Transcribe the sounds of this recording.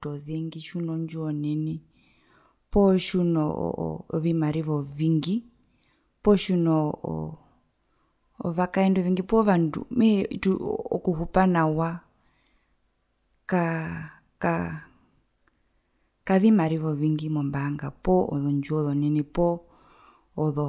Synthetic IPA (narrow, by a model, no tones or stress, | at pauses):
tɔðɛŋɡiʃunɔɲd͡ʒuɔnɛni | pɔʃunɔ̰vimaɾiβɔviŋɡi | pɔʃunɔ̰ | βakaɛndɔviŋɡipɔβandṵmɛtuɔ̰kuɦupanawa | ka | ka | kaβimaɾiβɔviŋɡimɔmbaŋɡapɔɔ̰ðɔɲd͡ʒuɔðɔnɛnipɔː | ðɔ